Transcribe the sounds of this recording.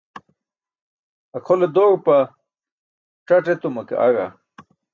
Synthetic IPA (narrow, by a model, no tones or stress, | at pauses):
ɐkʰoled̪oɣpɐ | ʈ͡ʂɐʈet̪umɐkḛʔa̰ɣa̰